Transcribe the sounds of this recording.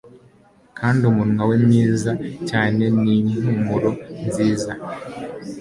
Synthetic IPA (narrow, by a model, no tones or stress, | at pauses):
kʰaːndiumunwawe̞mɲiːzacaːne̞nin̥umuɾo̞nziːza